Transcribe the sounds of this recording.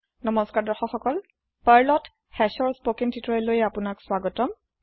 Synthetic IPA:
nɔmɔskaɹdɔxɔxɔkɔl | paɹlɔt | xɛsɔɹspokintʰitɹɔɛlojapʊnakswaɡɔtɔm

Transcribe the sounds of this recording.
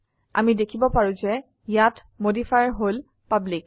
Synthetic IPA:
a̰midekʰibɔpaɹũzɛ | jat | modifʰaɹɦol | pablik

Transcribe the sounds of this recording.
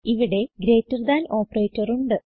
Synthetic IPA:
iʋiɽe̞ɡɾe̞ːtːɐrd̪aːno̞ːpːreːtːɐruɳɖɨ

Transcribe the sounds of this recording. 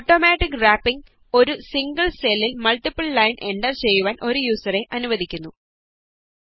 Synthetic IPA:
oʈːo̞ːmaːʈːikːraːpːiŋɡ | o̞ɾusiŋɡɐɭselːilmɐɭʈipːɐɭːɐjnʔe̞ɳɖɐrt͡ɕe̞jːuʋaːnʔo̞ɾujuːsɐre̞ʔɐnuʋɐd̪ʱikʲːunːu

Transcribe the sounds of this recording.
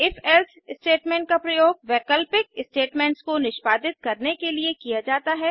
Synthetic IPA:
ɪfɛls | ɪsʈeːʈmɛ̃ːɳʈ̚kapɾɐjoːɡ̚ʋɛːkəlpɪk̚ɪsʈeːʈmɛ̃ːɳʈskonɪʃpaːd̪ɪt̪̚kɐɾnekeliekijad͡ʒaːt̪aɦɛ

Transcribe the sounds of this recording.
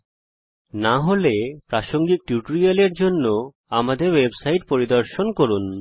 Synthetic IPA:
naɦolepɾaʃoŋɡik̚ʈjuʈoɾialeɾd͡ʑonːo | amad̪eɾwebsajʈpoɾid̪oɾʃonkoɾun

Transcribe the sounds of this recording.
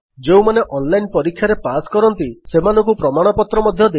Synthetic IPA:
d͡ʒew̃maneʔɔnlajnpɔɾikʰːjaɾepaskɔɾɔnt̪isemanɔŋkupɾɔmaɽ̃ɔpɔt̪ɾɔmɔd̪ʱjɔd̪e

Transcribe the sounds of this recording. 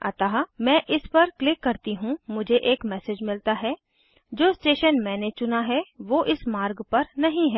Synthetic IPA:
ɐt̪aːɦmɛ̃ːʔɪspɐɾklɪkːɐɾt̪iɦũmʊd͡ʒʱeʔeːkmɛːsed͡ʒmɪlt̪aɦɛ | d͡ʒoːsʈeːʃənmɛ̃ːnet͡ʃʊnaɦɛʋoːʔɪsmaːɾɡpɐɾnɐɦĩɦɛː

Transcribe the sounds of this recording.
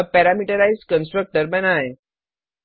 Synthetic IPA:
pɛɾamiʈəɾaizkənsʈɾək̚ʈəɾmɛ̃naɦe

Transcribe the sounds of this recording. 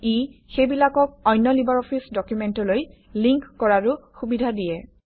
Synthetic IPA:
ixejbilakɔk̚ɔjnːɔlibaɹɔpʰisdɔkjumɛntɔloj | liŋkːɔɹaɹʊxubidʱadijɛ

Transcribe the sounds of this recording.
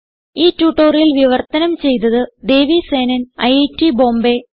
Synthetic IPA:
iːtːuːʈːoːrjilʋiʋɐrt̪ɐnɐmt͡ɕe̞jt̪ɐðɨd̪e̞ːʋise̞ːnɐnɐ̰jetːibo̞ːmbe̞

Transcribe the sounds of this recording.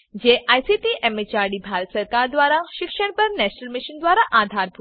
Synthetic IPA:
d͡ʑeʔajsiʈiʔɛmit͡ɕaɾɽibʱaɾət̪səɾkaɾd̪ʋaɾaɕikʂəɳpəɾnɛɕnəlmiʃind̪ʋaɾaʔad̪ʱaɾbʱu

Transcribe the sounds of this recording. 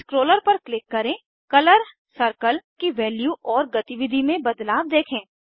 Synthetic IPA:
skɾoːləɾpɐɾklɪkːɐɾẽ | kɐləɾ | sɐɾkəlkiʋɛːljuːɔːɾɡɐt̪iʋɪd̪ʱimẽbɐd̪laːb̚d̪eːkʰẽː

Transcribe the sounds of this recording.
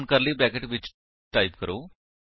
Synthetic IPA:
nkəɾliːbɾækeʈbit͡ɕ | ʈajpkəɾo

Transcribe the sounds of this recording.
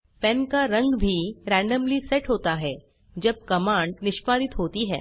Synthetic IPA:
pɛ̃nkaɾɐ̃ŋɡbʱiɾæ̃ːɳɖəmliseʈɦoːt̪aɦɛː | d͡ʒɐb̚kɐmãːɳɖnɪʃpaːd̪ɪt̪ɦoːt̪iɦɛ̰ː

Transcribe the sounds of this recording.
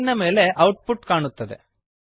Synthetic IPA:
nɐme̞ːle̞ʔɐwʈ̚puʈkaːɳut̪ːɐd̪ḛ

